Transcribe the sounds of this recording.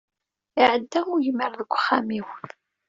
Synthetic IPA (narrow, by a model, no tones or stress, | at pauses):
ɪʕəd̪ːæʊjəməɾðəɡʷːχæmiwθ